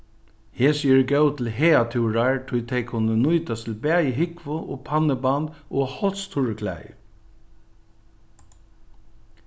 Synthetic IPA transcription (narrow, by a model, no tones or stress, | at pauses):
heːsiːɹɡœʊt̪ʰɪl̩ɦeːat̪ʰuːɹaɹʈʰʊjt̪ʰɛkʰʊnənʊjt̪ast̪ʰɪl̩bæːjəɦɪkʋʊʔoːpʰanəband̪ʔoːhɔlst̪ʰʊɹəkʰlæ̰ɪ